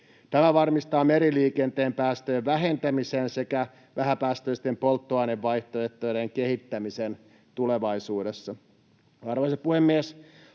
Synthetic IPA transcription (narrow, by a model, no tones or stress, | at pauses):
t̪æmæʋɑrmist̪ɑːmeɾiliːkent̪eːmpæːst̪øːʋʋæɦe̞nt̪æmisense̞kæ | ʋæɦæpæːst̪øist̪empolt̪ːoɑːneʋʋɑiht̪oeht̪ojɾeŋkehit̪ːæmisen | t̪uleʋɑisuːdesːɑ | ɑrʋoisɑpuhemːies